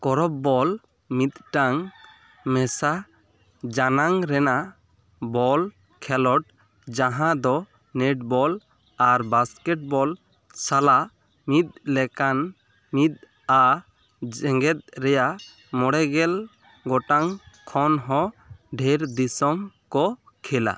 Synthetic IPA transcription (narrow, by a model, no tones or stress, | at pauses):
kɔɾɔp̚ːɔl | mit̪̚ʈaŋ | mɛsa | d͡ʒanaŋɾɛna | bɔl | kʰɛlɔʈ̚ | d͡ʒãɦãd̪ɔ | nɛʈ̚bɔl | aɾbaskɛʈ̚bɔl | sala | mit̪̚ˀlɛkan | mit̪̚ | a | d͡ʒɛŋɡɛt̪̚ɾɛja | mɔɽɛɡɛl | ɡɔʈaŋkʰɔnɦɔ̃ɖʱɛɾd̪isɔmkɔ | kʰɛla̰